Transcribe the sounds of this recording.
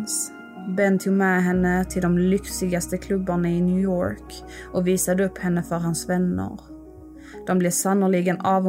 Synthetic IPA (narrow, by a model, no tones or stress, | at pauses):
s | bɛnt̪ʰumɛɦɛnːət̪ʰɪld̪ɔmlʏksɪɡast̪əkʰlɵbːaɳaɪnjʉjo̰ːɾk | ʔɔviːsad̪əɵpːhɛnːəfœɾɦansvɛnːə̰ɾ | d̪̥ɔmblɛsanʊlɪɡənɑːv